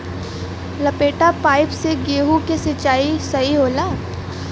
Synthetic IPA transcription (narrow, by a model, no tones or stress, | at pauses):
lɐpeːʈapaːɪpseɡeːɦukesɪt͡ʃaːisɐɦiɦoːlaː